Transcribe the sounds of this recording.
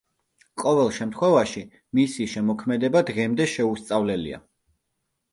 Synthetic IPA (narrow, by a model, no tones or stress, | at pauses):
qʼɔvɛlˠʃɛmt̪ʰχwɛvaʃi | misiʃɛmɔkʰmɛd̪ɛbad̪ʁɛmd̪ɛʃɛust̪sʼavlɛlḭa̰